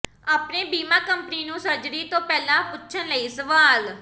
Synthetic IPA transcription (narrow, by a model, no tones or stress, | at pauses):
aːpneːbiːmãːkəmpəniːnũːsəɾd͡ʒɾiːt̪õːpɛːlãːpʊtːʃʰənləiːsəʋaːl